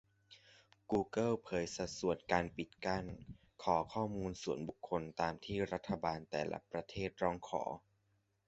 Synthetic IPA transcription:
kuː˧kɤ˥˩wpʰɤː˨˦jsa˧˥su˨˩ənkaː˧npi˨˩t̪̚ka˥˩n | kʰɔː˩˦kʰɔː˥˩muː˧nsu˨˩ənbu˨˩kʰːo˧nt̪aː˧mt̪ʰiː˥˩ɾa˦˥t̪ʰːa˧baː˧nt̪ɛ̰ː˨˩la̰˦pɾa˧t̪ʰeː˥˩t̪̚ɾɔː˧˥˩ŋkʰɔ̰ː˩˦

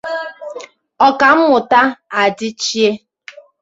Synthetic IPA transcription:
ɔ˨ka˨m̩˦mʊ˨ta˦a˨d͡ʒɪ˦t͡ʃi˦e˦

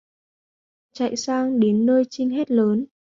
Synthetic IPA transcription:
t͡ɕa̰˧˨jsaː˧ŋɗe˨˦nːəː˧jt͡ɕï˧ŋ̟ɦɛ˦˥t̚ləː˨˦n

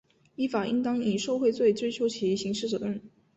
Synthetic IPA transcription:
i˥fa˨˩i˥ŋt̪ɑ˥ŋi˨˩ʂo˥˧ʊxwe˥˧ɪt͡swe˥˧ɪt͡swe˥ɪt͡ɕʰjo˧˥ʊt͡ɕʰi˧˥˩ɕi˧˥ŋʂɻ̩˥˩ʈ͡ʂɤ˨˩ə˥˩n

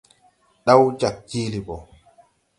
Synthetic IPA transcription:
ɗa˦wd͡ʒa˨k̚d͡ʒiː˦li˨bɔ˨

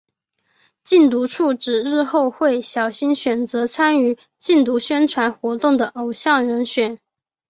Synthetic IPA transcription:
t͡ɕi˥˩nt̪̬u˧˥ʈ͡ʂʰu˥˩ʈ͡ʂɻ̩˨˩ɻɻ̩˥˧xo˥˧ʊxwe˥˩ɪɕjɑ˨˩ʊɕi˥nɕɥɛ˨˩nt͡sɤ˧˥t͡sʰa˥ny˧˥ | t͡ɕi˥˩nt̪u˧˥ɕɥɛ˥nʈ͡ʂʰwa˧˥nxwɔ˧˥t̪ʊ˥˩ŋd̪ə˩ʔo˨˩ʊɕjɑ˥˩ŋɻə˧˥nɕɥɛ˨˩˦n

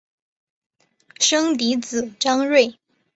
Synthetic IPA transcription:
ʂɤ˥ŋt̪i˧˥t͡sɹ̩˨˩ʈ͡ʂɑ˥ŋɻwe˥˩ɪ

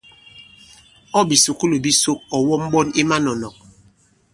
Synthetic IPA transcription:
ɔ˦bi˨su˨ku˦lo˨bi˦so˦k̚ɔ˨wɔ˦m̩˦ɓɔ˦ni˦ma˦nɔ˨nɔ˨k̚

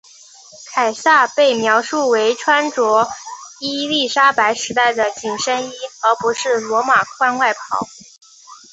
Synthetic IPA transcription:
kʰa˨˩ɪsa˥˧pe˥˩ɪmjɑ˧˥ʊʂu˥˩we˧˥ɪʈ͡ʂʰwa˥nʈ͡ʂwɔ˧˥i˥li˥˩ʂa˥pa˧˥ɪʂɻ̩˧˥t̪a˥˩ɪd̪ə˩t͡ɕi˨˩ŋʂə˥ni˥ɤ˧˥pu˧˥ʂɻ̩˥˩lwɔ˧˥ma˨˩kʰwa˥˧nwa˥˩ɪpʰɑ˨˧˥ʊ

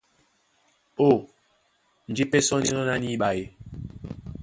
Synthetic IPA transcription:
o˦˨ | n̩˨d͡ʒi˦pe˦sɔ˦ni˦nɔ˦na˦ni˦ɓa˨je˨

